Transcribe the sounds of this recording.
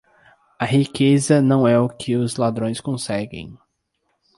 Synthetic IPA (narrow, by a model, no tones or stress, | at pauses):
ɐɦikezɐnɐ̃w̃ɛʊkʰɪʊzlad̪ɾõj̃skõsɛɡḛ̃j̃